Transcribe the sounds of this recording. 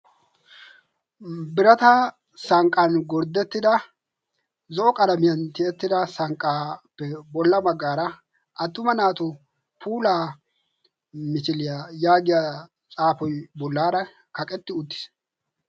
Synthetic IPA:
bɪɾɐt̪ɐ | sɐŋkʼːɐnɡɔɾd̪ɛt̪ːɪd̪ɐ | zɔʔɔkʼɐd̪ɐmɪjɐnt̪ɪɛt̪ːɪd̪ɐsɐŋkʼːaːpːɛbɔlːɐmɐɡːaːɾɐ | ʔɐt̪ːʊmɐnaːt̪ʊ | pʰuːlaː | mɪt͡ʃɪlɪjajaːɡɪja | t͡sʼaːfɔjbɔlːaːɾɐ | kɐkʼɛt̪ːɪʊt̪ːɪ̥s

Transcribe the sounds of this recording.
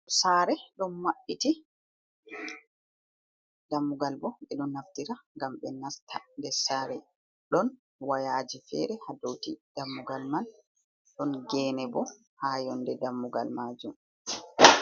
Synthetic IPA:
saːɾɛɗɔnmaɓːiti | damːuɡalbɔɓɛɗɔnːaftiɾaŋɡamɓɛnastʰandɛsaɾɛ | ɗɔn | wajaːd͡ʒifɛ̰ɾɛhadowtid̥amːuɡalman | ɗɔnɡɛnɛbɔ | haːjɔndɛdamːuɡa̰lmaːd͡ʒum

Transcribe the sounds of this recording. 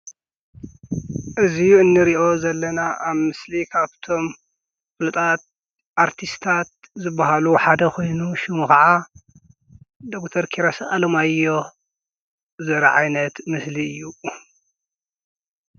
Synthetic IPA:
ʔɨzijuɨnːɨɾiʔo̞zɐlːɐnaʔaβmɨslikʰaβt̪ʰo̞m | fɨlɨt̪ʼat̪̚ | ʔaɾt̪ʰist̪ʰat̪̚zɨbːaɦaluħad̪ɐkʰo̞jnuʃumuxɐʕa | d̪okt̪ʰɐɾkʰiɾasʔʼalɐmajːo̞ | zɐɾɐ̰ʕajnɐt̪mɨsliɨjːu

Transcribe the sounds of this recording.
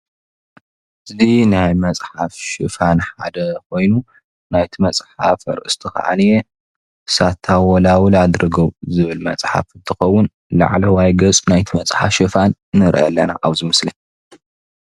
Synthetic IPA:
ʔɨzinajmɐt͡sʼħafʃɨfanħa̰d̪ɐkʰo̞jnu | najt̪ʰimɐt͡sʼħa̰fɐ̰ɾʔɨ̰st̪ʰɐxɐ̰ʔa̰nije | sat̪ʰawɔlawlad̪ɾɨɡɐwzɨβɨlmɐt͡sʼħa̰ft̪ʰɨxɐwːʊn | la̰ʕlɐwajɡɐt͡sʼnajt̪ʰimɐt͡sʼħa̰fʃɨfanːɨɾʔɐ̰lːɐna̰ʔaβzɨmɨsli

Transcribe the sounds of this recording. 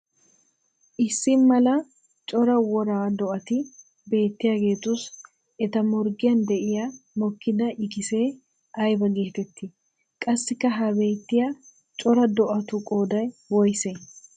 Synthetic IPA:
ʔɪsːɪnmɐlɐ | t͡ʃʼɔɾɐwɔɾaːd̪ɔʔɐt̪ɪ | be̞ːt̪ːɪjɐɡe̞ːt̪ʊs | ɛt̪ɐmɔɾɡɪjɐnd̪ɛʔɪjɐmɔkːɪd̪ɐʔɪkɪse̞ː | ɐjbɐɡe̞ːt̪ɛt̪ːɪ | kʼɐsːɪkːɐɦɐbe̞ːt̪ːɪjɐ | t͡ʃʼɔɾɐd̪ɔʔɐt̪ʊkʼoːd̪ɐjwɔjse

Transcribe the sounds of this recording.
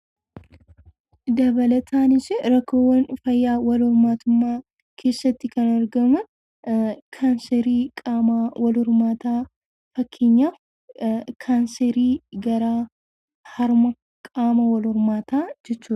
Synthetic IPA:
d̪ɐbɐlɐt̪ʰaːnɪsɪɾɐkːoːwːɐnfɐjːaːwɐlʊɾmaːt̪ʊmːaː | kʰe̞ːsːɐt̪ːɪkɐnɐɾɡɐmʊ | kʰaːnseɾiːkʼaːawɐlʊɾmaːt̪aː | fɐkʰːeɲːaː | kʰaːnseɾiːɡɐɾaː | hɐɾmɐ | kʼaːmɐwɐlʊɾmaːt̪aːd͡ʒɛt͡ʃːuː

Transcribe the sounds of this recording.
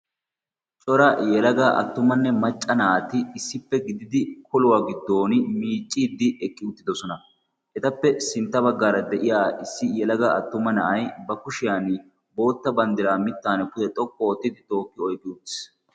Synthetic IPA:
t͡ʃʼɔɾɐjɛlɐɡaːʔɐ̰t̪ːʊmɐnːɛmɐt͡ʃʼːɐnaːt̪ɪːsːɪpːɛɡɪd̪ɪd̪ɪkʰɔlʊwaːɡɪd̪ːo̞ːnmiːt͡ʃʼːiːd̪ːɪʔɛkʼːɪʊt̪ːɪd̪ɔsɔnɐ | ʔɛt̪ɐpːɛsɪnt̪ːɐbɐɡːaːɾɐd̪ɛʔɪjaːʔɪsːɪjɛlɐɡaɐt̪ːʊmɐnɐʔɐjbɐkʊʃɪjaːn | bo̞ːt̪ːɐbɐnd̪ɪɾaːmɪt̪ːaːnɛkʊd̪ɛt̪ʼɔkʼːoːt̪ːɪd̪ɪt̪o̞ːkːɪɔjkʼːɪʊt̪ːɪ̥s

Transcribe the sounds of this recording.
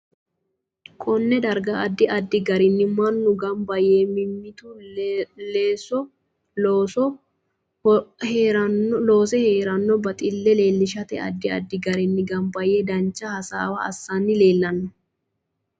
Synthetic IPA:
kʼɔnːɛd̪ɐɾɡɐɐd̪ːɪʔɐd̪ːɪɡɐɾɪnːɪmɐnːʊɡɐmbɐjeːmɪmːɪt̪ʊ | leːsɔ | oːsɔ | heːɾɐlo̞ːsɛheːɾɐnːɔbɐt̪ʼɪlːɛle̞ːlːɪʃɐt̪ɛ̰ɐ̰d̪ːɪɐ̰d̪ːɪɡɐɾɪnːɪɡɐmbɐjeːd̪ɐnt͡ʃːɐhɐsa̰ːwɐɐ̰sːanːɪle̞ːlːɐnːɔ

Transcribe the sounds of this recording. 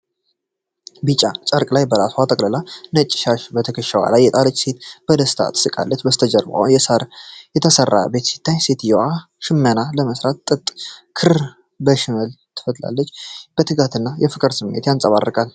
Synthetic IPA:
bɨt͡ʃʼat͡ʃʼəɾkʼlajbəɾaswat̪ʼəkʼləlanət͡ʃʼːɪ̥ʃaʃbət̪ʰəkʰəʃəwa̰lajːɛt̪ʼalət͡ʃʼːse̞t̪b̥əd̪əst̪ʰa̰t̪ɨ̥sɨkʼa̰lːət͡ʃːbəst̪ʰəd͡ʒəɾba̰wjɛsaɾjɛt̪ʰəsərːa̰be̞t̪sɨ̥t̪ʰːaɲse̞t̪jɛwʔa | ʃɪmːənaləməsɾat̪̚t̪ʼɨt̪ʼkʰɨɾ | bəʃɪməl | t̪ʰɨ̥fət̪la̰lːət͡ʃːb̥ət̪ʰɨɡat̪ʰɨnːajɛfɨkʼɨɾsɨmːḛt̪jansʼəβa̰rːəkʼal

